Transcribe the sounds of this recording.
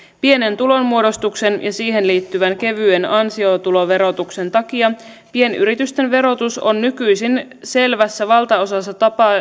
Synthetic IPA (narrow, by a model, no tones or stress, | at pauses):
pie̞ne̞nt̪ulo̞nmuo̞ɾo̞st̪ukse̞njɑsiːɦe̞nliːt̪ːyʋænke̞ʋyenɑnsio̞t̪ulo̞ʋe̞ɾo̞t̪ukse̞nt̪ɑkiɑ | pie̞ny̰ɾit̪yst̪e̞nʋe̞ɾo̞t̪usonːykyjsinse̞lʋæsːæʋɑlt̪ɑo̞sɑsːɑt̪ɑpɑ